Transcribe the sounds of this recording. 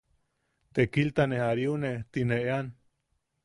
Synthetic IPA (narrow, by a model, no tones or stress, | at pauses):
t̪ekilt̪anehaɾjunet̪ineʔean